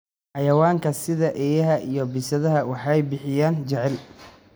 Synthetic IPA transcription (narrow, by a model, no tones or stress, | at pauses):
ħɑjɐwaːŋkʰɐsɪðɐʔɛːjɐɦɐʔijɞbɪsɐðɐɦɐwɑħɑɛjbɪħɪjaːnt͡ʃɛʕɛl